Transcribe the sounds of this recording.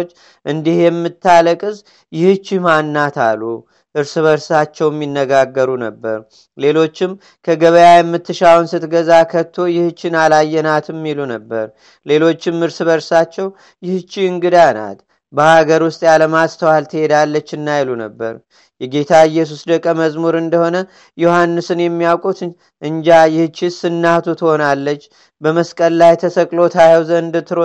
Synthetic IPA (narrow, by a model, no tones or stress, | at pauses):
t͡ʃː | ʔɨnd̪ihjɛmːɨt̪ʰːaləkʼɨz | jɪhɨt͡ʃːimanːat̪ʰalːu | ʔɨɾsɨβəɾsat͡ʃːɛwjɛmːinːəɡaɡːəɾunəbːəɾ | le̞lo̞t͡ʃːɪm | kʰəɡəβəjajɛmːɨt̪ʰːɨʃawnsɨt̪ɡəzakʰət̪ʰːo̞jɪhɨt͡ʃːɪnalajːɛnat̪ɨmːilunəbːəɾ | le̞lo̞t͡ʃːɪmːɨɾsɨβəɾsat͡ʃːɛw | jɪht͡ʃːiɨŋɡɨd̪ana̰t̪ | bəhaɡəɾwʊst̪ʼjaləmast̪ʰəwalt̪ʰɨhe̞d̪alːət͡ʃːɨnːajlunəbːə̰ɾ | jɛɡe̞t̪ʰaɨjːɛs̬usd̪əkʼːəməzmuɾɨnd̪əho̞nə | johanːɨsɨnjɛmːijawkʼut̪ | ʔɨɲd͡ʒajɪht͡ʃːisɨnːaht̪ʰut̪ʰɨho̞nalːət͡ʃː | bəməskʼəllajt̪ʰəsəkʼlo̞t̪ʰajəwzəɨnd̪ɨt̪ʰːɨɾo